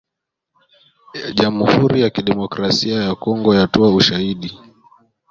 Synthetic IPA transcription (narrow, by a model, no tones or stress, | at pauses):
ʄamuhuɾijakiɗɛmɔkɾasiajakɔŋɡɔjatɔauʃahiɗi